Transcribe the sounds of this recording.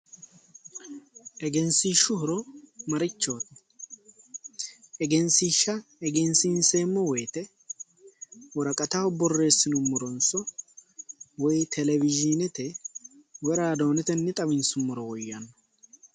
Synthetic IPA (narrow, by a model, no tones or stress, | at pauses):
ʔɛɡɛnsiʃːʊhʊɾɔmɐɾɪt͡ʃːo̞ːt̪ | ɛɡɛnsiːʃːɐɛɡɛnsɪnseːmːɔwɔjt̪ɛ | wɔɾɐkʼɐt̪ɐwɔbɔrːe̞ːsːɪnʊmːɔɾɔnsɔ | wɔjt̪ʰɛlɛvɪd͡ʒɪnɛt̪ɛ | wɛɾaːd̪o̞ːnɛt̪ɛnːɛt̪ʼɐβɪnsʊmːʊɾɔwɔjːɐnːɐ